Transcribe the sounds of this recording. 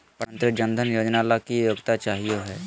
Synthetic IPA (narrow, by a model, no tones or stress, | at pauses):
pəɾə̃nt̪ɾəd͡ʒə̃nd̪ʱənjoːd͡ʒnalakijoːɡt̪at͡ʃaːɦijoɦɛː